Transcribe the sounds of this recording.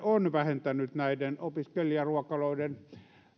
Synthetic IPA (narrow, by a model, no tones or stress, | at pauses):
onʋæhent̪ænyt̪næidenopiskeliɑruɑkːɑloˑiden